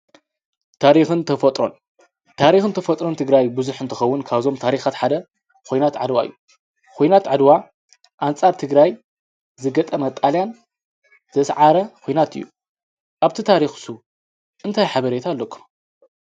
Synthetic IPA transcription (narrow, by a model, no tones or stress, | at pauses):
t̪ʰaɾixɨnt̪ʰɐfɐt̪ʼɾo̞n | t̪ʰaɾixɨnt̪ʰɐfɐt̪ʼɾo̞nt̪ʰɨɡɾajbɨzuħɨnt̪ʰɨxɐwːʊnkʰaβzo̞mt̪ʰaɾixat̪ħad̪ɐ | kʰo̞jnat̪ʕa̰d̪wa̰ʔɨ̰jːu | kʰʷojnat̪ʕad̪wa | ʔant͡sʼaɾt̪ʰɨɡɾaj | zɨɡɐt̪ʼɐmɐt̪ʼaljan | z̥ɐsʕaɾɐkʰojnat̪ɨ̰jːu | ʔaβt̪ʰit̪ʰaɾixsu | ʔɨnt̪ʰajħaβɐɾet̪ʰalːokʰːu̥m